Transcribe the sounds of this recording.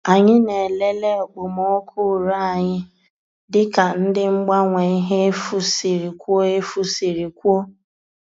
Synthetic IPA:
a˨ɲɪ˦ne˨le˦le˦ɔ˨ɡ͡bʊ˨mɔ˦kʰʊ˦˨ɾa˦a˨ɲɪ˦ | dɪ˦ka˨n̩˦dɪ˦ŋ͡m̩˦ɡ͡ba˦ŋʷe˨i˦ɦe˦e˦fu˦si˨ɾi˨kʷo˦e˦fu˦si˨ɾi˨kʷo˦

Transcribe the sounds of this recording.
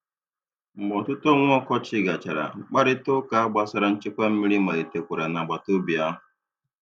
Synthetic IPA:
bɔ˨tʊ˦tɔ˦ŋʷ˦ɔ˦kɔ˦t͡ʃɪ˦ɡa˨t͡ʃa˨ɾa̰˨˦k͡pa˦ɾɪ˦tʊ˦ka˨a˦ɡ͡ba˦sa˦ɾa˦n̩˦t͡ʃɪ˦kʷa˦m̩˦mi˦ɾi˦ma˨le˨te˨kʷʊ˨ɾa˨na˨ɡ͡ba˨to˦bi˨a˦ɦʊ˨

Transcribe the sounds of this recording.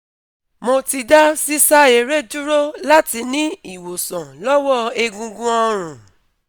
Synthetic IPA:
mo˧ti˧da˦si˦sa˦e˨ɾe˦d͡ʒu˦ɾo˦la˦ti˧nĩ˦i˦˨wo˨sɔ̃˨lɔ˦wɔ˦e˧ɡũ˧ɡũ˦ɔ˧ɾ̃ũ˨

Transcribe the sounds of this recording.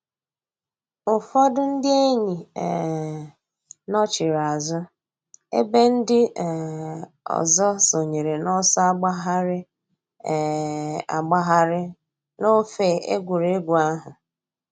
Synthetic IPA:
ʊ˨fɔ˦dʊ˦n̩˦dɪ˦e˦ɲi˨ | nɔ˦t͡ʃɪ˨ɾa˨zʊ˦ | ḛ˦be˦n̩˦dɪ˦˨ | ɔ̰˨zɔ˦so˨ɲe˨ɾe˨nɔ˦sɔ˦a˦ɡ͡ba˦ɦa˦ɾɪ˦˨ | a̰˨ɡ͡ba˦ɦa˦ɾɪ˦ | no˦fe˨e˦ɡʷu˨ɾe˦ɡʷu˨a˦ɦʊ˨

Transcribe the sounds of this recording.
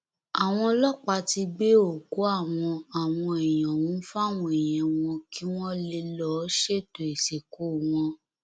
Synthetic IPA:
a˨w̃ɔ̃˧lɔ˦k͡pa˧ti˧ɡ͡be˦o˦˨ku˨˦a˦˨w̃ɔ̃˧a˨w̃ɔ̃˧e˨jɔ̃˨wũ˨˦fa˦˨w̃ɔ̃˧e˨jɛ̃˨w̃ɔ̃˧ki˦w̃ɔ̃˦le˧lɔ˦ʃe˦˨to˨e˨se˨ko˨˦˨w̃ɔ̃˧

